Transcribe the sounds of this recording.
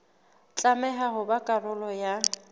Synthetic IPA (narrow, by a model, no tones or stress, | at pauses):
t͡ɬʼamɛɦaɦʊbakʼarʊlɔja